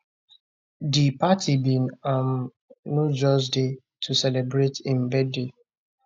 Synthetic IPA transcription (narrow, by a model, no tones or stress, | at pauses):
dipatʰibĩnam | nud͡ʒɔsde | tʰusɛlɛbɹetĩmbɛde